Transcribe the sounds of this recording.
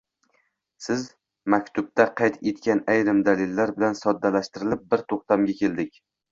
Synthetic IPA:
sɪz | makʲt̪ʰʊb̚t̪ʰaqʰɑjt̪ʰet̪̚kʲanajɾɪmd̪alɪlːaɾbɪlansɒd̪ːalaʃt̪ɪɾɪlɪp̚bɪɾt̪ʰoqt̪amɡʲakʲʰe̞ld̪ɪkʲ

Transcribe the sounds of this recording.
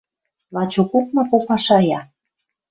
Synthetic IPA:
lɑt͡ɕokuk̚mɑkopɑʃɑjɑ

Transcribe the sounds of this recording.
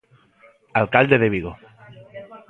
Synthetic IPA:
alkald̪eðeβiɣo

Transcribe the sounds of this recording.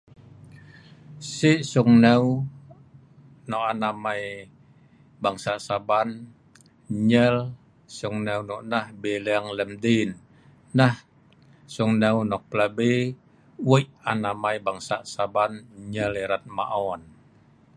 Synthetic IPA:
siʔsuŋnɛw | nɔʔanamai | baŋsaʔsaban | ɲɛl | suŋnɛwnɔʔnahbelɛaŋləmdinː | ah | suŋnɛunɔk̚plabe | wəʔanamaibaŋsaʔsabanɲɛliɾat̪̚ma̰ʔɔn

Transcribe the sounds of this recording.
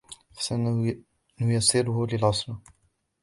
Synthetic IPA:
fḁsa | nʊjɑsˤɪɾʊhʊlɪlʕɑsˤɾɑ

